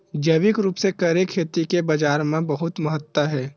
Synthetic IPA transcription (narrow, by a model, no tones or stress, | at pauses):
d͡ʒɐʋɪkɾuːpsekɐɾekʰːeːt̪ikebɐd͡ʒaːɾmẽbɐɦʊt̪mɐɦət̪wəɦɛː